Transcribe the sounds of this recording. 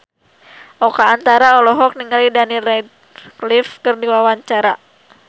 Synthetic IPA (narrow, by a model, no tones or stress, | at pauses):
ʔɔkaːnt̪aɾaɔlɔɦɔk̚niŋalidanirɛd̪̚ | klifkɨrdiwawaɲt͡ʃaɾa